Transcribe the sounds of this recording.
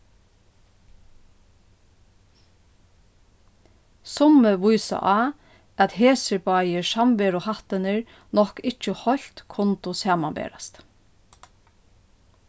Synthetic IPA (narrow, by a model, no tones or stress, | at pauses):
sɔməʋujsa̰ʔɑ | æt̪heːsəbɑjəʃɑmʋeːɾʊhɑht̪ənəɹ | nɔhkɪt͡ʃəhɔlt̪kʰʊnt̪ʊsɑːmɑnbḛːɾast̪